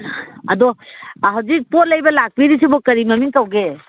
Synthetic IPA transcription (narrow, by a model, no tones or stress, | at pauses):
ad̪ɔɦɔd͡ʒik̚pɔɾlajbalak̚biɾisibɔkəɾimamiŋkawɡe